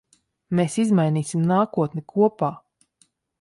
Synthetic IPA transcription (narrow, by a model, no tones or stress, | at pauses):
meːsizmajniːsʲimnaːkuɔt̪nɛkʰuɔpaː